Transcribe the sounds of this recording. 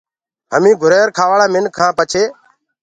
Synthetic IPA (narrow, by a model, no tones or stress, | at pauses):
ɦəmĩːɡʱʊɾeːɾkʰaːʋaːɽaːmɪnkʰãːpət͡ʃʰeː